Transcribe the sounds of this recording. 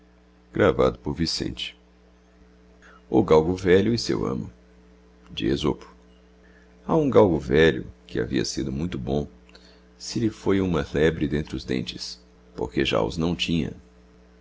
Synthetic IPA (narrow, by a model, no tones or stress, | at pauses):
ɡ̥ɾavad̪ʊpoɾvisḛ̃nt͡ʃɪ̥ | ʊɡawɡʊvɛʎʊɪsḛwɐ̰̃mʊ | d͡ʒɪezopʊ̥ | aũɡawɡʊvɛʎʊ̰kɪa̰viɐsid̪ʊmũj̃t̪ʊbõ | sɪʎɪfojũmɐfɛbɾɪd̪ẽnt̪ɾɪʊzd̪ḛ̃nt͡ʃɪs | poɾkeʒa̰ʊ̰znɐ̃w̃t͡ʃĩɲɐ̰̃